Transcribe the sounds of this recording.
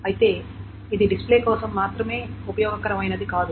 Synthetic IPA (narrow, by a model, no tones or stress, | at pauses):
ɐjit̪e̞ː | id̪iɖispleːkɔːsɐmːaːt̪ɾɐme̞ːupɐjɔːɡɐŋkɐɾɐmɐjnɐd̪ikaːd̪u